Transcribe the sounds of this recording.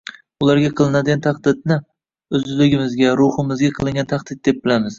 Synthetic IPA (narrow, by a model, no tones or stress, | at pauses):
ʊlˠaɾɡʲaqʰɨlˠɪnad̪ɪɡʲant̪ʰaqd̪ɪd̪̚nɪ | ɵzlɪɡʲɪmɪzɡʲaɾʊhɨmɪzɡʲaqʰɨlˠɪŋɡʲant̪ʰaqd̪ɪd̪̚d̪ep̚bɪlamɪz